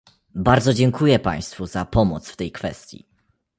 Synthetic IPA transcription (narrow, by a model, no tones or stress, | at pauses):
baɾd̪zɔd͡ʑɛŋkujɛpa̰j̃st̪fuzapɔmɔt̪sft̪ɛjkfɛ̰st̪ʲjḭ